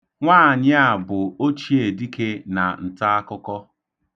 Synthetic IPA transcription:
ŋʷaː˦˨ɲɪ˦a˨bʊ˨o˦t͡ʃi˦e˨di˦ke˦na̰˨n̩˨ta˦a˦kʊ˦kɔ˦

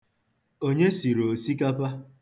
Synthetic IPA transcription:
o˦ɲe˦si˨ɾo˨si˦ka˦pa˦

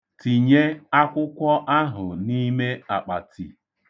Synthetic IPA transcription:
ti˨ɲe˦a˦kʷʊ˦kʷɔ˦ʔa˦ɦʊ˨ni˦me˦a˨k͡pa˨tʰḭ˨

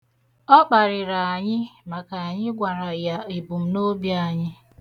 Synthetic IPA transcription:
ɔ˦k͡pa˨ɾɪ˨ɾa˨a˨ɲɪ˦ma˨ka˨a˨ɲɪ˦ɡʷa˨ɾa˨ja˨i˨bu˨m̩˨˦no˦bja˦˨ɲɪ˦

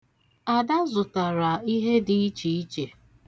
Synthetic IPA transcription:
a˨da˦zʊ˨ta˨ɾa˨i˦ɦe˦di˨i˦t͡ʃi˨i˦t͡ʃe˨

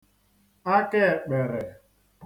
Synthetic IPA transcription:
a˦kɛ˦˨k͡pɛ˨ɾɛ˨

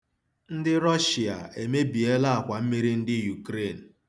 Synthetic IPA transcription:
n̩˦dɪ˦ɾɔ˦ʃi˨a̰˨e˨me˦bi˨e˦la˦a˨kʷa˨m̩˦mi˦ɾi˦n̩˦dɪ˦ju˨kɾe˦˨n̩˨

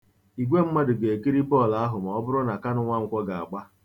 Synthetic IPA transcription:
i˨ɡʷe˦m̩˦ma˦dʊ˨ɡe˨e˨ki˦ɾi˦pɔ˦˨la˦ɦʊ˨m˨ɔ˦bʊ˦ɾʊ˦na˨ka˦nʊ˦ŋʷa˦ŋ̩˦kʷɔ˦ɡa˨a̰˨ɡ͡ba˦

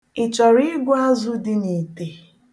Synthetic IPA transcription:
ɪ˨t͡ʃɔ˨ɾi˦ɪ˦ɡʷʊ˦a˦zʊ˦dɪ˨ni˨te˨

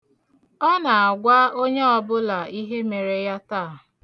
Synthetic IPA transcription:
ɔ˦na˨a˨ɡʷa˦o˦ɲe˦ɔ˨bʊ˦la˨i˦ɦe˦me˨ɾe˨ja˦ta˦˨

